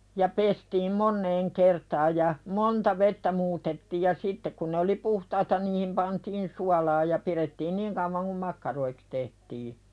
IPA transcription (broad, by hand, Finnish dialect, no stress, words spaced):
jɑ pestiːm monːeːŋ kertɑːj jɑ montɑ ʋetːæ muːtetːiːj jɑ sitːe kun ne oli puhtɑitɑ niːhim pɑntiːn suɑlɑː jɑ piretːiːn niŋ kɑuʋɑŋ kum mɑkːɑroiks tehtiː